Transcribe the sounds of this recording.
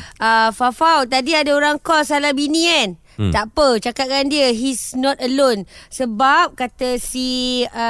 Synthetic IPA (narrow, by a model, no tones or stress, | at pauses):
əfafawt̪adiadaoɾaŋkɔlsalabinĩan | t̪apət͡ʃakat̪̚kandiəɦisnɔt̪əlonsəbap̚kat̪əsi